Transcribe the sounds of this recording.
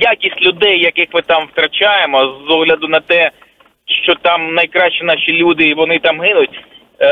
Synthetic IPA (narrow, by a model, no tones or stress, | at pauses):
jakʲisʲtʲlʲʊd̪ɛjːɐkɪxmɪt̪ɑmwt̪ɾɐt͡ʃajemɔzɔɦlʲɐd̪ʊnɐt̪ɛ | ʃt͡ʃɔt̪ɑmnɐjkɾɑʃt͡ʃinɑʃilʲud̪ɪʋɔnɪt̪ɑmɦɪnʊt̚ʲ